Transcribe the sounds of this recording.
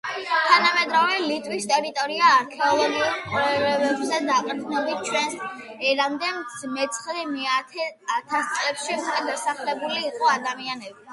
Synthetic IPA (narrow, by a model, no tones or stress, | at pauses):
t̪ʰanamɛd̪ɾavɛlit̪ʼwist̪ʼɛɾit̪ʼɔɾiaːɾkʰɛɔlˠɔɡiulˠqʼuɾɛɾɛbɛbzad̪aqʼɛɾt̪ʰnɔbit̪̚t͡ʃʰwɛns | ɛɾamd̪ɛmsmɛt̪sʰχlimɛat̪ʰɛat̪ʰast̪sʼlɛpʃiukʼwɛd̪asaχlɛbuliːqʼɔad̪amianɛbi